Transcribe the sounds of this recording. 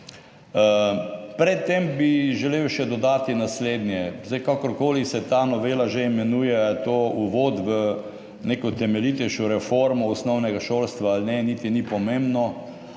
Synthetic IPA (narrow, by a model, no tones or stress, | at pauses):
əpɾɛt̪ːembiʒɛlewʃɛd̪ɔd̪aːt̪inasleːd̪nʲjɛzd̪ajkakɔɾkoːlisɛt̪aːnɔʋeːlaʒeimɛnuːjɛt̪ouʋoːt̪ʋə | nekɔt̪ɛmɛlit̪ɛʃɔɾɛfoɾmɔɔsnɔwnɛɡaʃolst̪ʋaːlnɛnit̪inipɔmẽmbnɔ